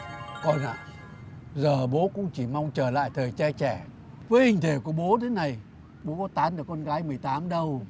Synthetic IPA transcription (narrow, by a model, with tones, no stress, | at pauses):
kɔ˨˧˩nʔa̰ː˧˨ | zəː˨˩ɓo˨˦kʊ̰˧˥ŋ͡mt͡ɕi˧˩ma˧wŋ͡mt͡ɕəː˧˩la̰ː˧˨jt̪ʰəː˨˩jt͡ɕa˧t͡ɕɛ˧˩ | vəː˨˦jhï˨˩ŋ̟t̪ʰe˧˩ku˧˩əɓo˨˦t̪ʰe˨˦na˨˩j | ɓo˨˦kɔ˨˦t̪aː˨˦nɗəː˧˩kɔ˧nɣaː˨˦jmɨ˨˩əjt̪aː˨˦mɗə˧w